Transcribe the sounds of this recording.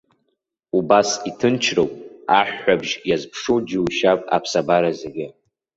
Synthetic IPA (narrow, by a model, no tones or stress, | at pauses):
ubasitʰɨnt͡ʃʰrowpʼaħᶣːabʒjazpʰʂud͡ʒɪwʃapʼa̰pʰsabaɾazeɡʲɪ